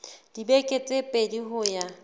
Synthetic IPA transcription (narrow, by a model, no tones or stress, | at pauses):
d̥ibekʼet͡sʼepʼediɦʊja